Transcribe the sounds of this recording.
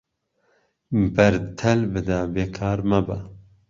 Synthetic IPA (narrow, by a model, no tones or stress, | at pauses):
bɐɾt̪ʰɛlbɨd̪abeːkʰɑːɾmɐbɐ